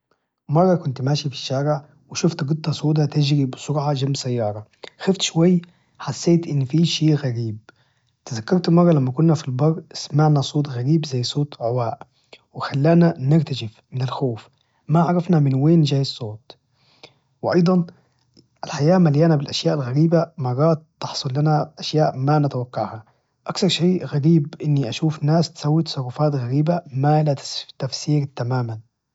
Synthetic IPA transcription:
mɑrˤːɑkʊnt̪maːʃifi̥ʃːaːɾɪʕ | wɪʃʊft̪ɡɨt̪ˤːɑsˤoːt̪̬at̪ɪd͡ʒɾibɪsʊɾʕɑʒambsajːɑːɾˤɑ | xaft̪ʃʊwajː | ħasːeːt̪ʔɪnːfiːʃeːʔɣaɾiːb̚ | t̪ɪzakːɑɾˤt̪mɑrˤːɑlamːakʊnːafilbɑɾˤːɪsmaʕnasˤoːt̪ɣaɾiːbzajːsˤoːt̪ʕʊwaːʔ | wɪxalːaːnanɪɾt̪aʃɪfmɪnɪlxoːf | maʕɑɾˤɑfnamɪnweːnd͡ʒaːjɑsˤːoːt̪̚ˤ | wɪʔɑ̰jd̪ˤɑn | ʔalħajaːmaljaːnabɪlʔaʃjaːʔalɣaɾiːbamɑɾɑːt̪ːɑħsˤʊlːanaʔaʃjaːʔmanɪt̪awakːɑʕha | ʔakθɑɾˤʃeːʔɣaɾiːbʔɪnːiʔaʃuːfnaːst̪sawːɪt̪sˤɑrˤːɑfaːt̪ɣaɾiːbamalat̪t̪afsiːɾt̪amaːman

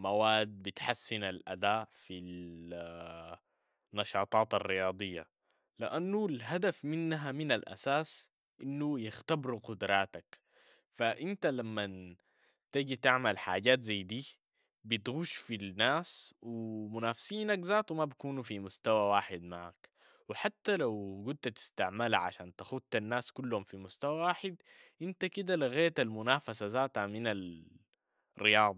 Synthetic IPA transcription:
mawaːd̪̚bɪt̪ħasːinalʔa̰d̪aːʔfil | nːɑʃɑːt̪ˤɑːt̪arːijɑːd̪ˤɨjːa̰ | liʔanːulɦad̪afmɪnːɦamɪnalʔa̰saːs | ʔɪnːujɪxt̪abɾqʊd̪ɾˤɑːt̪ak | faʔɪnt̪alamːa | t̪iɟit̪aʕmalħa̰ːɟaːt̪zajːd̪iː | bit̪ɣuʃfilnaːswimunaːfsiːnakzaːt̪wimabakuːnufimust̪awawaːħɪd̪maʕa̰k | wɪħat̪ːalawɡud̪̚t̪at̪i̥st̪aʕmalaʕa̰ʃaːnt̪axut̪̚anːaːskulːhumfimust̪awawaːħɪd̪ | ʔint̪akid̪aliɣaːt̪almʊnaːfasazaːt̪haminal | rijɑːd̪ˤ

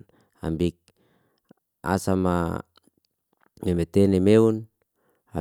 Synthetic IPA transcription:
a̰mbik̚ | a̰sama̰ | nemet̪enemeun | a

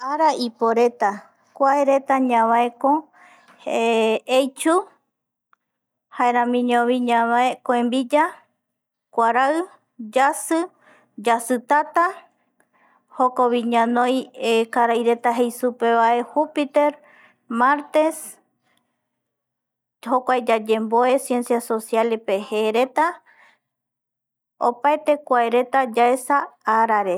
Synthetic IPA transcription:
aɾaʔipoɾe̞t̪a | kʷaeɾe̞t̪aɲãβaeko | eejt͡ʃu | haeɾãmĩɲõβiɲãβaekoẽmbid͡ʒa | kʷaɾaɨ | d͡ʒasɨ | d͡ʒasɨt̪at̪a | ho̞ko̞βiɲãnõ̞jekaɾajɾe̞t̪aɦe̞jsupe̞βaʔe̞hupit̪e̞ɾ | maɾt̪e̞s | hokʷaed͡ʒad͡ʒe̞mbo̞e̞sje̞nsjaso̞sjalepeheɾe̞t̪a | o̰paet̪e̞kʷaeɾe̞t̪ad͡ʒaesaaɾaɾe̞

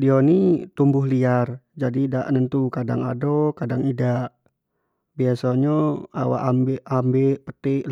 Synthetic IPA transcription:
diɔnit̪umbʊɦliar | d͡ʒadidaʔnənt̪ukada̰ŋa̰dɔkadaŋidaʔ | biasɔɲɔa̰wa̰ʔambeambɛpət̪ɪʔl

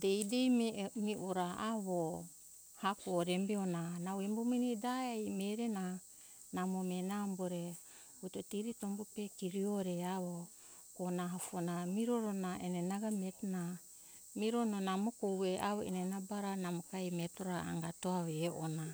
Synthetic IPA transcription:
dejdememiʔoɾaʔaβo | hakoɾembeonanawembominidaejmeɾena | namomenamboɾe | utotiɾitombupekiɾioɾeaβo | konaɦafonamiɾoɾonaenenaɡametna | miɾononamokoweʔa̰βoḛnenabaɾanamokajmetoɾaa̰ŋɡatoaβeʔona

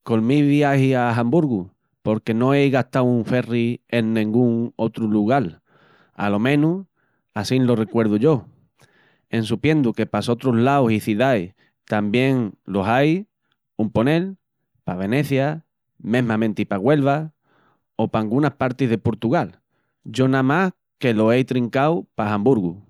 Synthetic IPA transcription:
ko̞lmiβjahiaɦambuɾɣu | po̞ɾke̞nõ̞ejɣaht̪awuɱfe̞rie̞nːĩŋɡuŋo̞t̪ɾuluɣ̞al | a̰lo̞mẽ̞nu | asinlo̞re̞kwe̞ɾð̞uʝo̞ | e̞nsupje̞nd̪uke̞paso̞t̪ɾoɦlawsiθiðaj | t̪ambje̞ŋlo̞saj | umpo̞ne̞l | paβ̞e̞ne̞θja | mẽ̞ɦmãmẽ̞nt̪ipaɣwe̞lβ̞a | o̞paŋɡunahpaɾt̪iɦðe̞po̞ɾt̪uɣal | ɟ͡ʝo̞namah | ke̞lo̞ejt̪ɾiŋkawpaɦambuɾɣu

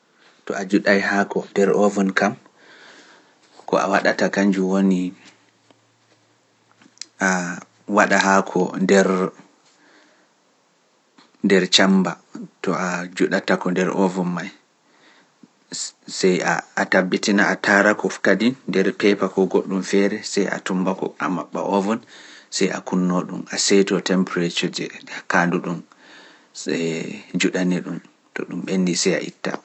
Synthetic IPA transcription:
tɔad͡ʒuɗajhakɔndɛɾʔɔvɔnkam | kɔ̰ʔa̰waɗatakaɲd͡ʒuwoni | ʔa | waɗaɦakʰɔndɛɾ | ndɛɾt͡ʃambatɔad͡ʒuɗatakɔndɛɾʔɔvɔnmaj | sɛjaatabːitinaatʰaɾakɔfkadinːdɛɾpɛpakɔɡoɗːumfɛɾɛsɛja̰tumbakɔ̰a̰maɓːa̰ʔɔvɔnsɛja̰kunːoɗṵmasejtɔtɛmpɾetɔd͡ʒɛkanduɗum | ɛd͡ʒuɗanɛɗum | tɔ̰ɗumɓenːisɛja̰ʔḭtːa̰

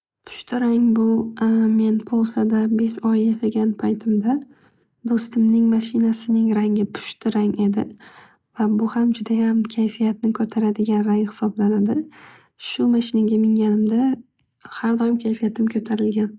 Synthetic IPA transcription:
pʰʊ̥ʃt̪ʰɪɾaŋbʊme̞npʰolˠʃad̪abe̞ʃɒjaqʰɨɡʲanpʰajt̪ʰɪmd̪a | d̪ost̪ɪmnɪŋmaʃɪnasɪnɪŋɾaŋʲɪpʰʊ̥ʃt̪ʰɪɾaŋe̞d̪ɪ | vabʊhamd͡ʒʊd̪ajamkʲʰajfijat̪nɪkʲʰɵt̪ʰaɾad̪ɪɡʲanɾajhɪ̥sɒblanad̪ɪ | ʃʊmaʃɪnaɡʲamɪŋɡʲanɪmd̪a | haɾd̪ɒjɪmkʲʰajfijat̪ʰɪmkʰɵt̪ʰaɾɪlɡʲan

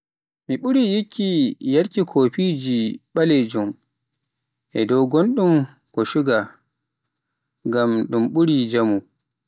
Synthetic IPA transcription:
miɓuɾijikːijaɾkikʰoːpid͡ʒiɓaled͡ʒum | ʔɛdɔwɡonɗum | kɔʃuɡa | ŋɡamɗumɓuɾid͡ʒamu

